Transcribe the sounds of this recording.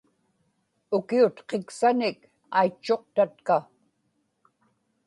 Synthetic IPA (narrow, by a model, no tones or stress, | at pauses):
ʊkiʊt̪qeksanɪk | ajt͡ʃːo̞q̚t̪at̪̚ka